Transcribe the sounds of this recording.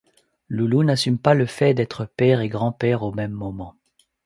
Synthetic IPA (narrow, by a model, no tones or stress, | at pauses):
lulunasympaləfɛd̪ɛt̪χəpɛʁeɡʁɑ̃pɛʁomɛmːɔmɑ̃